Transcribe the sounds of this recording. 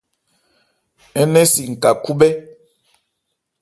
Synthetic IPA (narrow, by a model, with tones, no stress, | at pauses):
ɛ˦nɛ˦si˨ŋ̩˨ka˨ku˦bɛ˦